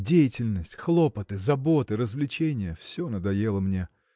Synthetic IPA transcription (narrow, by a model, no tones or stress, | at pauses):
dʲejɪtʲɪlʲnəsʲtʲxlˠo̞pət̪ɨzɐbo̞t̪ɨɾəzvlʲɪt͡ɕenʲɪjəfsʲonəd̪ɐjelˠəmnʲe